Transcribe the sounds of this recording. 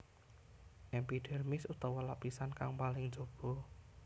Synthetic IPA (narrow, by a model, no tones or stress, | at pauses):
ʔɛmpiɖ̥ɛ̤rmɪsut̪ɔwɔlapisankaŋpalɪŋ̥d͡ʒ̥o̤b̥ɔ̤